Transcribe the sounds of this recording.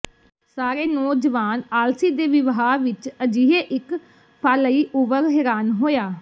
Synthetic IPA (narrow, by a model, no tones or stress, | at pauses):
saːɾeːnɔːd͡ʒəʋaːnaːlsiːd̪eːʋɪʋɦaːʋɪt͡ʃəd͡ʒiɦeːʔɪk | pʰaːləiːʔʊʋəɾɦɛːɾaːnɦoːjaː